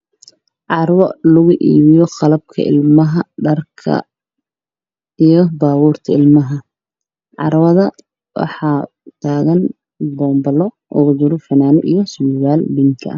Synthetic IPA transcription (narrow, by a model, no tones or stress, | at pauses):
ʕɑrwɔlʊɣʊʔiːβɪjɔqɑlɐb̚kʰɐ̰ʔɪ̰lmɐɦɐɖɐrkʰɐ̰ | ijɞbaːβuːrt̪ʰɐɪlmɐɦɐ | ʕɑ̰ɾwɐðɐ | wʔɑ̰ħɑː | t̪ʰaːɣɐn | bɔːmbɐlɔ | ʔɔ̰ɣʊd͡ʒɪɾɔfɐnaːnʊʔijɔsuːɣaːlbɪŋkʰɐ̰ɐ